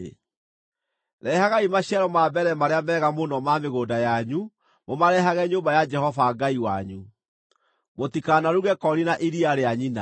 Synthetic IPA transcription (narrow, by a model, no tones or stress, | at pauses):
ɾɛhaɣaimaɕiaɾɔmaːbɛɾɛmaɾeamɛːɣamonɔmameɣoːdajaɲu | momaɾɛɦaɣɛɲoːbajad͡ʒɛhɔvaɡaiwaɲu | motikanaɾuɣɛkɔɾinaʔiɾiaɾeaɲina